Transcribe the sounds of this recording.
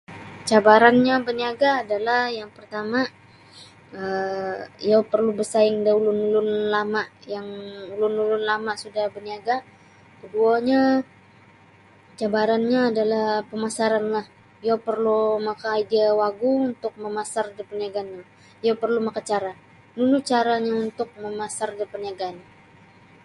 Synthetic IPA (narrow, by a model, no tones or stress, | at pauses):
t͡ʃabaɾanɲabəniaɡaːdalahjaŋpərt̪ama | ə | jawpərlubəsaɪŋdaulʊnulʊnlamaʔjaŋulʊnulʊnlamaʔsudahbəniaɡa | kəduaɲa | t͡ʃabaɾanɲaːdalahpəmasaɾanlah | japərlumakaidiawaɡuunt̪ʊk̚məmasardipəniaɡanɲa | japərlumakat͡ʃaɾa | nunʊt͡ʃaɾaɲaunt̪ʊk̚məmasardipəniaɡana